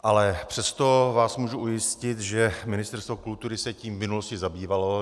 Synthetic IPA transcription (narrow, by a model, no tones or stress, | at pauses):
ʔalɛpr̝̥ɛst̪o̞vaːsmuːʒuʔujɪscɪt̪ʒɛmɪnɪst̪ɛɾst̪vokult̪uɾɪsɛciːmvmɪnuloscɪzabiːvalo̞